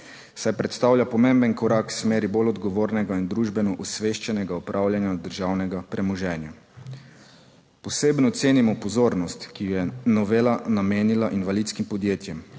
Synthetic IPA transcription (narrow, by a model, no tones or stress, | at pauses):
sajpɾɛt̪st̪awlʲjapɔmembənkɔɾaksmeːɾibolɔd̪ɡɔʋoːɾnɛɡaind̪ɾuʒbɛnɔʔusʋeːʃt͡ʃɛnɛɡaɔpɾʔaːwljanjad̪əɾʒaːwnɛɡapɾɛmɔʒɛːnja | pɔseːbnɔt̪seːnimɔpɔzoːɾnɔst̪kijɛnɔʋeːlanameːnilaʔinʋalit̪skimpɔd̪jeːt̪jɛm